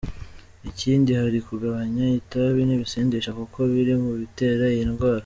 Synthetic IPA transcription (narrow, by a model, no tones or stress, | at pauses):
iciːndihaɾikuɡaβaɲaitaβiniβiseːndeʃakuko̞βiɾimuβite̞ːɾaiinɡwaːɾa